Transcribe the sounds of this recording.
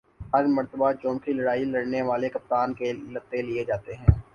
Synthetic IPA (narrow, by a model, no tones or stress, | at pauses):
ɦɐɾmɐɾt̪əbat͡ʃɔ̃ːmkʰilɐɽaːilɐɽneʋaːlekɐp̚t̪aːnkelɐt̪ːelied͡ʒaːt̪eɦɛ̃ː